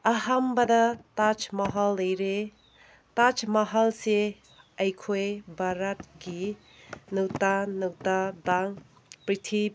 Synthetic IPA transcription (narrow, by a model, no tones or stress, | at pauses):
ɐhambɐdɐtat͡ʃmɐɦalːɐjɾe | tat͡ʃmɐɦalse | ɐjkʰojbʱaɾɐt̚ɡi | nuwtanɯwtadaŋ | pɾitʰi